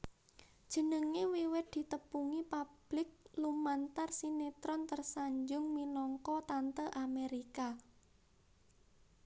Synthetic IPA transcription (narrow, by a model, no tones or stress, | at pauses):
d̥ʒ̥ə̤nəŋewiwɪt̪̚d̪̥i̤t̪əpuŋipab̥lɪk̚lumant̪arsinet̪ɾɔnt̪ərsaɲd͡ʒʊŋminɔŋkɔt̪ant̪əʔameɾika